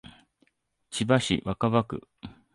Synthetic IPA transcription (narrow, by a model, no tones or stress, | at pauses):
t͡ɕibaɕḭβakaβakɯ̟̰